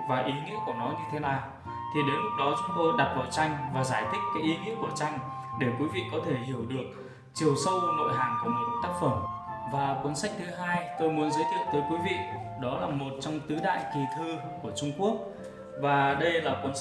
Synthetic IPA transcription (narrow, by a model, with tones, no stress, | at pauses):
vaː˨˩ʔi˨˦ŋḭ˧˥əku˧˩ənɔ˨˦ɲɨ˧t̪ʰe˨˦naː˨˩w | t̪ʰi˨˩ɗe˨˦nlʊ˦˥k̚ɗɔ˨˦t͡ɕʊ˨˦ŋ͡mt̪o˧ɗa˨˩p̚vaː˨˩wt͡ɕa˧jŋ̟vaː˨˩zaː˧˩jt̪ʰï˦˥k̟̚kaː˨˦jʔi˨˦ŋḭ˧˥əku˧˩ət͡ɕa˧jŋ̟ɗe˧˩kwi˨˦vḭ˧˨kɔ˨˦t̪ʰe˧˩hi˧˩əwɗɨ˨˩ək̚ | t͡ɕi˨˩əwsə˧wno̰˧˨jɦaː˨˩ŋku˧˩əmo˨˩t̚t̪aː˦˥k̚fə˧˩mvaː˨˩kwə˨˦nsa˦˥k̚t̪ʰɨ˨˦ɦaː˧jt̪o˧jmu˨˦ənzəː˨˦jt̪ʰi˧˨ə˨wt̪əː˨˦jkwi˨˦vḭ˧˨ | ɗɔ˨˦laː˨˩mo˨˩t̚t͡ɕɔ˧wŋ͡mt̪ɨ˨˦ɗa̰ː˧˨jki˨˩t̪ʰɨ˧ku˧˩ət͡ɕʊ˧ŋ͡mku˦˥ək̚ | vaː˨˩ɗə˧jlaː˨˩kwə˨˦n